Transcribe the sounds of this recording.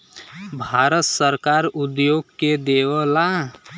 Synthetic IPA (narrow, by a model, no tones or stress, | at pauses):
bʱaːɾət̪səɾkaːɾʊd̪joːɡked̪eːʋəla